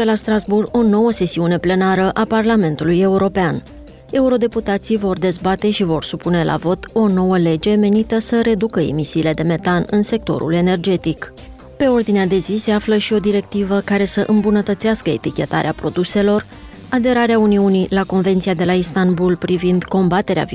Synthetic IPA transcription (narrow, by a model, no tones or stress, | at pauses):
elast̪ɾazburo̞no̞wəse̞siune̞ple̞naɾəʔaparlame̞nt̪uluje̞uɾo̞pean | e̞uɾo̞d̪e̞put̪at̪sijvo̞rd̪e̞zbat̪e̞ʃivo̞rsupune̞lʔa̰vo̞t̪o̞no̞wəle̞d͡ʒe̞me̞nit̪əsəɾe̞d̪ukəḛmisiːle̞d̪e̞me̞t̪anɨnse̞k̚t̪o̞̰ɾṵle̞ne̞rd͡ʒe̞t̪ik | pe̞o̞rd̪inead̪e̞zise̞afləʃio̞d̪iɾe̞k̚t̪ivəkaɾe̞səʔɨmbunət̪ət̪siaskəe̞̰t̪ikʲe̞t̪a̰ɾeapɾo̞d̪use̞lo̞r | ad̪e̞ɾaɾeauniunilako̞nve̞nt̪siad̪e̞laist̪anbulpɾivind̪ko̞mbat̪e̞ɾea̰v